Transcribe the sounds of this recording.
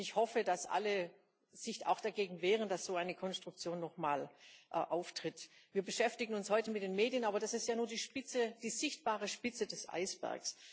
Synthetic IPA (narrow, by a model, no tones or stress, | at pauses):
ɪçhɔfədasʔa̰lə | z̥ɪça̰ʊxd̥aɡeːɡŋ̩vɛːʁənd̥asz̥oːaɪnəkʰɔnstʁ̥ʊk̚t͡sjoːnːɔχma̰ːlʔʔaʊftʁ̥ɪtviːɐbəʃɛftɪɡŋ̩ʊnshɔʏtəmɪt̚d̥eːnmeːdjənʔaːbɐd̥asɪstjaːnuːɐdiːʃpɪt͡səd̥iːzɪçt̚b̥aːʁ̞əʃpɪt͡sədɛsʔa̰ɪsb̥ɛ̰ɐks